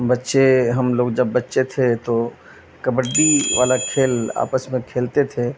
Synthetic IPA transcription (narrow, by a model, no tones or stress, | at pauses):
bɐtːʃeɦɐmloːɡd͡ʒəbːətːʃet̪ʰet̪o | kəbəɽɖiʋa̰ːlakʰeːla̰ːpəsmẽkʰeːlt̪et̪ʰeː